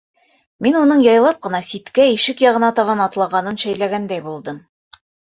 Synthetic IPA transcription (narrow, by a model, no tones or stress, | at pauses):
minunɤɴjɑjlˠɑp̚qɤ̆nɑsit̪kæiʃɘkjɑʁɤ̆nɑt̪ɑβɑnɑt̪lˠɑʁɑnɤnʃæjlæɡænd̪æjbulˠd̪ɤm